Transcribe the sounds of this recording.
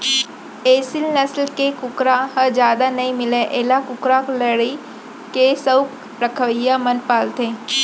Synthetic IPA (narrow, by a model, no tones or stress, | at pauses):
eːsɪlnɐslkekʊkɾaɦəd͡ʒjaːd̪anɐĩmɪleʔeːlakʊkɾakləɽi | kesək | ɾəkʰəʋəjamənpaːlt̪ẽː